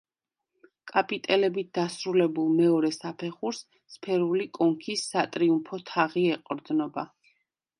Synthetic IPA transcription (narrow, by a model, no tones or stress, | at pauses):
kʼapʼit̪ʼɛlɛbit̪̚d̪̥asɾulɛbulˠmɛɔɾɛsapʰɛχuɾsː | pʰɛɾulikʼɔŋkʰisːat̪ʼɾiumpʰɔt̪ʰaʁiɛqʼɾd̪nɔba